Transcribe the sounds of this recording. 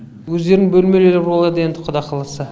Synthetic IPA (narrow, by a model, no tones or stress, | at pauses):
wɵzd̪e̞ɾɪbɵlme̞leleɾbo̞lˠɑd̪əje̞nd̪ɪqʰʊd̪ɑqʰɑlˠəsə